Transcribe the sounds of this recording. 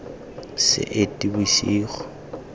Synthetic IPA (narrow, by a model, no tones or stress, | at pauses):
sɪ̰ʔetʼibiʃiːχɔ̥